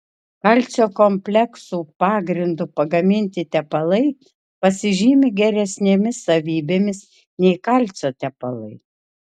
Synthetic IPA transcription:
kɐlʲt̪sʲoːkomʲpʲlʲɛksuːpɑːɡɾʲɪnd̪ʊpɐɡɐmʲɪnʲt̪ʲɪt̪ʲɛpɐlˠɐɪ | pɐsʲɪʒʲiːmʲɪɡʲɛɾʲɛsʲnʲeːmʲɪsɐʋʲiːbʲeːmʲɪs | nʲɛɪkɐlʲt̪sʲoːt̪ʲɛpɐlˠɐ̰ɪ

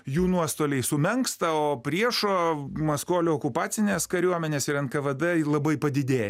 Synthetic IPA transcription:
juːnuɔst̪oːlʲɛɪsʊmʲɛŋkst̪ɐoːpʲɾʲiɛʃoːmɐskoːlʲooːkʊpɑːsʲɪnʲeːskɐɾʲuɔmʲɛnʲeːsɪɾɐntkɐʋɐd̪ɛlˠɐbɐɪpɐd̪ʲɪd̪ʲeːjɛ

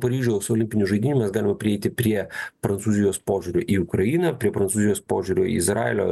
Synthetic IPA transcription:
pɐɾʲiːʒʲʊsoːlʲɪmʲpʲɪnʲʊʒɐɪd̪ʲɪːnʲʊmʲɛsɡɑːlʲɪmɐpʲɾʲɪɛɪt̪ʲɪpʲɾʲiɛpɾɐntsuːzʲɪjoːspoːʒʲuɾʲoːʔiːʊkɾɐjiːnɐpʲɾʲiɛpɾɐntsuːzʲɪjoːspoːʒʲuɾʲoːḭɪzɾɑ̰ːḛlʲoː

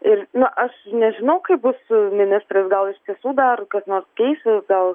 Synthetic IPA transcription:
ɪrnʊʔɐʃnʲɛʒʲɪnɐʊkɐɪp̚bʊsmʲɪnʲɪst̪rɐsɡɐlˠɪʃʲt̪ʲiɛsuːd̪ɐrkɐsnoːrskʲɛɪsʲɪsɡɐlˠ

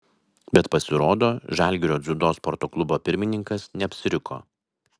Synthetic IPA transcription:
bʲɛt̪pɐsʲɪɾoːd̪oːʒæˑlʲɡʲɪɾʲoːd̪zʲʊd̪oːspɔɾt̪oːklˠʊboːpʲɪɾʲmʲɪnʲɪŋkɐsnʲɛɐpʲsʲɪɾʲɪkʰo̰ː

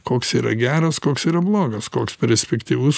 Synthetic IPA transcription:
koːksiːɾɐ̰ɡʲæːɾɐskoːksiːɾɐblˠoːɡɐskoːkspʲɛɾʲsʲpʲɛkt̪ʲiːʋʊs

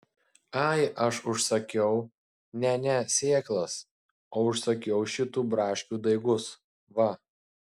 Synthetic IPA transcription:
ɐɪʔɐʃʊʃsɐkʲɛʊ | nʲɛnʲɛsʲeːklˠɐs | oːʊʃsɐkʲɛʊʃʲɪt̪uːbɾɑːʃʲkʲuːd̪ɐɪɡʊs | ʋɐ

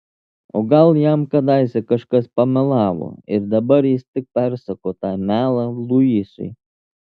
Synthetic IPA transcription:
o̰ːɡɐlˠjamkɐd̪ɑɪsʲɛkɐʃkɐspɐmʲɛlˠɑːʋo̰ːɪɾd̪ɐbɐɾjɪst̪ʲɪk̚pʲæɾsɐkoːt̪ɑːmʲæːlˠɐlˠujisʊ̰j

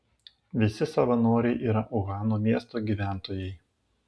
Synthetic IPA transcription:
ʋʲɪsʲɪsɐʋɐnoːɾʲɛɪʔiːɾɐʔʊɣɑːnoːmʲiɛst̪oːɡʲiːʋʲæˑnt̪oːjɛɪ

